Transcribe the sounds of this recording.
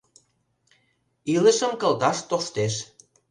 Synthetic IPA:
ilə̆ʃə̆mkə̆lt̪ɑʃt̪oʃt̪eʃ

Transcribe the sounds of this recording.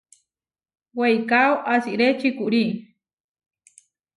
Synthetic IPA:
wejkawʔasiʔɾet͡ʃikuʔɾi

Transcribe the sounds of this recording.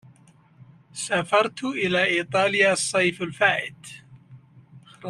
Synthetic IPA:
safɑɾˤt̪ʔɪlaːʔiːt̪ˤɑːlɪjaːsˤːɑjfalfaːʔɪd̪̥

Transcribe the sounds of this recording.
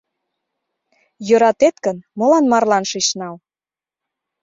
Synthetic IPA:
jøɾɑt̪et̪kə̆nmɤ̆lɑnmɑrlɑnʃiʃnɑl

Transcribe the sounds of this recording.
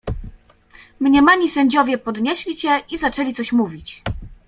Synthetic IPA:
mɲɛmaɲisɛɲd͡ʑɔvʲjɛpɔd̪ɲɛɕlʲiɕɛizat͡ʂɛlʲit̪ɔɕmuvʲit͡ɕ

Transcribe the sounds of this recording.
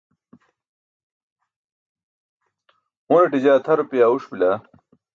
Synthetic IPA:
uneʈid͡ʑaːt̪ʰɐɾupijaːuʂbila

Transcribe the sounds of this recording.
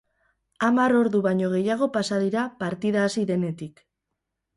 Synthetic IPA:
amaɾo̞ɾðuβaɲo̞ɣ̞e̞jaɣ̞o̞pasaðiɾapaɾt̪iðaːsiðe̞ne̞t̪ik

